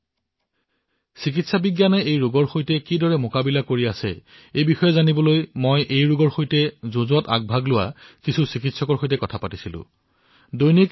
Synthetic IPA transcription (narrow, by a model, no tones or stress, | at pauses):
sik̬itsabiɡjanɛejɹuɡɔɹxojtɛkidɔɹɛmokabilakoɹiasɛ̰ | ejbixɔjɛzanibɔlojmojʔejɹuɡɔɹxojtɛzozuata̰ɡ̚bʱaɡlʊwa̰kisʰusikitsɔkɔɹxojtɛkɔtʰapatisilʊ̰̃ | dojnik